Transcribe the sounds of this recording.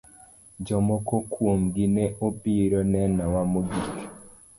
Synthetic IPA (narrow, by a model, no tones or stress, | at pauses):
d͡ʒɔmɔkɔkwomɡinɛʔopiɾɔnɛnawamoɡik